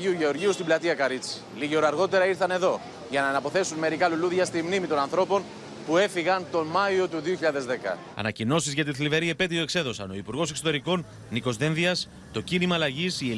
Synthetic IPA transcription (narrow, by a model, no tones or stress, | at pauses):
iuʝe̞o̞ɾʝiust̪iblɐt̪iɐkɐɾit͡si̥liʝeoɾɐɾɣo̞t̪e̞ɾɐiɾθɐne̞ðo̞ | ʝɐnɐenɐpo̞θe̞sunme̞ɾikɐluluðʝɐst̪imnimit̪o̞nɐnθɾo̞po̞n | pue̞fiɣɐnt̪o̞mɐio̞t̪uðioçiʎaðe̞zðe̞kɐ̰ | ɐ̰nɐcino̞sizʝɐt̪iθlive̞ɾiepe̞t̪̬ioekse̞ðo̞sɐ̰no̞ipuɾɣo̞se̞kso̞t̪e̞ɾiko̞nː | iko̞zðe̞nðiɐs | t̪o̞cinimɐːlɐʝisie